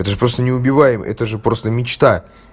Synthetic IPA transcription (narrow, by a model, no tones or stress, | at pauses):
ɛt̪əʐɨpɾo̞st̪ənʲɪʊbʲɪvajɪmɛ̰t̪əʐɨpɾo̞st̪əmʲɪt͡ɕt̪a